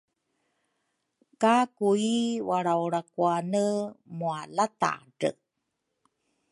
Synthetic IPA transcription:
kakuiwaɾawɾakuanəmualata̰ɖə̰

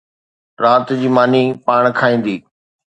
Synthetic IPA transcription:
ɾaːt̪d͡ʑiːmaːnipaːɽ̃kʰaːĩːn̆d̪iː

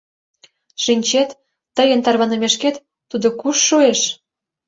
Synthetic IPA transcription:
ʃinʲt͡ɕet̪ː | əjə̆nt̪ɑrβɑnemeʃket̪ː | ud̪okuʃːueʃ

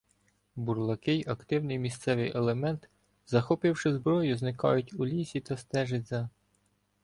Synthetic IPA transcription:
burlˠɐkɪjʔɐkt̪ɪwnɪjmʲist̪sɛʋɪjʔelˠemɛnt̪ | zɐxɔpɪwʃɪzbɾɔjʊznɪkɑ̰jʊtʲulʲisʲit̪ɐst̪ɛʒɪtʲzʲɐ

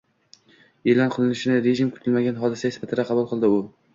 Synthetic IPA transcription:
elɒnqʰɨlˠɪnɪʃɪnɪɾeʒɪmkʰʊ̥t̪ʰɪlmaɡʲanɦɒd̪ɪsaespʰat̪ʰɪd̪aqʰɑbulˠqʰɨlˠd̪ɪʊ

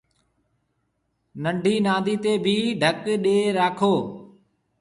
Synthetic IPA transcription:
nəɳɖʱiːnãːd̪ʱiːt̪eːbʱiːɖʱəkɗeːɾaːkʰoː

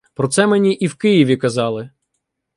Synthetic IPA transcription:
pɾɔt̪sɛmenʲiʔiwkɪjiʋʲikɐzɑlˠɪ

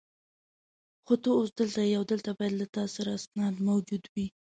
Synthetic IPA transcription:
xot̪əːsd̪əlt̪aiawd̪əlt̪abɑjad̪lat̪ɑsaɾaːsnɑd̪mawd͡ʒud̪wi

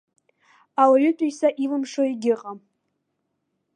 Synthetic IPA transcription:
awaɥʊtʼujsaʔilɨmʂoiɡʲɪqʼa

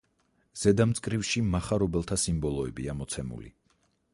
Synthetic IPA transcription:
z̥ɛd̪amt̪sʼkʼɾifʃimaχaɾɔbɛlˠt̪ʰasimbɔlˠɔɛbiamɔt̪sʰɛmṵlḭ

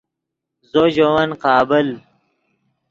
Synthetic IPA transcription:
zoʑowɐnqɑːbəl

